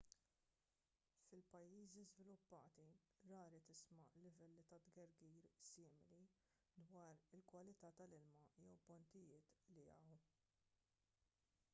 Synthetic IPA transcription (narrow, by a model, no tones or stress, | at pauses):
fɪlpɐjːiːzizvɪlʊpːɐːt̪i | ɾɐːɾit̪ɪsmɐlɪvɛlːit̪ɐd̪ɡɐɾɡiːɾsɪːmɪli | d̪wɐːɾɪlkwɐlɪt̪ɐːt̪ɐlɪlmɐjɛwbɔnt̪ɪjɪːt̪liɐ̰w